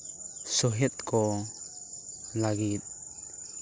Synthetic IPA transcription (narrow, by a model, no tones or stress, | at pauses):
sɔɦɛt̪̚kɔ | laɡit̪̚